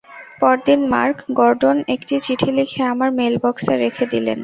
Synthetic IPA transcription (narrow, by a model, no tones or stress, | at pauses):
pɔɾd̪inma̰ɾkɡɔɾɖonekʈit͡ɕiʈʰilikʰeamaɾmelbɔkseɾekʰed̪ilḛn